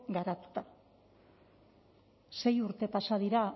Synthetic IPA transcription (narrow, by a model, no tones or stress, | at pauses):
ɡaɾat̪u̥t̪a | se̞juɾt̪e̞pasað̞iɾa